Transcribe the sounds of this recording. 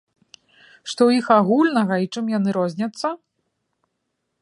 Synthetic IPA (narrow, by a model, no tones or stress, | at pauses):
ʂt̪ɔwixaɣulʲnɐɣɐit͡ʂɨmjan̪ɨɾɔzʲnʲɐt̪sːɐ